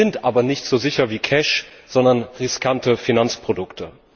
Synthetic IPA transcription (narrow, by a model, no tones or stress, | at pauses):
ɪntʔaːbɐnɪçtz̥oːzɪçɐviːkʰɛʃz̥ɔndɐnʁɪskʰantəfinant͡spʁ̥odʊktʰə